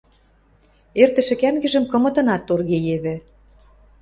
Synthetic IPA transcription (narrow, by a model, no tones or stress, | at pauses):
ert̪ə̆ʃĕɘ̆kæŋɡɘ̆ʒə̆mkɤ̆mɤ̆t̪ɤ̆nɑt̪ːorɣejeβĕ